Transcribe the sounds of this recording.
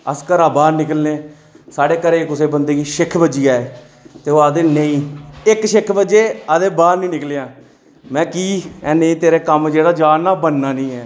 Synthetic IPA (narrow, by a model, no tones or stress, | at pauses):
əskəɾaːbaːɾnɪkəlneː | saːɽeːkəɾeːkʊseːbənd̪eːkiːʃɪkʰbəd͡ʒiːaːeː | t̪eːoːaːd̪eːnəĩːɪkʃɪkʰbəd͡ʒeːəd̪eːbaːɾnĩːnɪkleːãː | mɛ̃ːkiːɛːnẽĩːt̪eːɾeːkəmd͡ʒeːɽaːd͡ʒaːnaːbənːaːnĩːɛː